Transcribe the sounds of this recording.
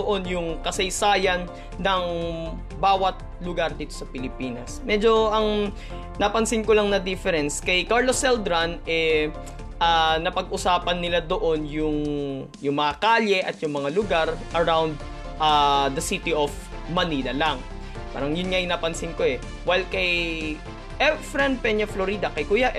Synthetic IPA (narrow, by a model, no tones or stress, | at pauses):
oʔo̞njʊŋkɐsɐjsaːjɐnː | ɐŋ | baːwɐt̪̚lʊɡaɾd̪iːt̪osɐpɪlɪpiːnɐsmɛd͡ʒo̞ʔɐŋ | napɐnsɪŋkolɐŋnɐd̪ɪfɛɾɛnskɐjkaɹlosɛld̪ɾɐnʔɛ | ʔanɐpɐɡʔʊsaːpɐnːɪlad̪o̞ʔo̞njʊŋ | jʊŋmɐŋakaːʎɛʔɐt̪jʊŋmɐŋalʊɡaɾʔɐɹawnd̪̚ | ʔad̪ɐsit̪iʔof | mɐniːlɐlaŋ | pa̰ːɾɐŋjʊnŋajnapɐnsɪnkoɛ | wɛlkɐj | ʔɛfɾɛnd̪̚pɛnɐfloɾiːd̪ɐkɐjkujaʔ